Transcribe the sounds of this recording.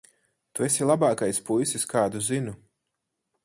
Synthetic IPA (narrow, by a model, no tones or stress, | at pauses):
t̪uesilˠabaːkajspujsiskaːd̪uzinu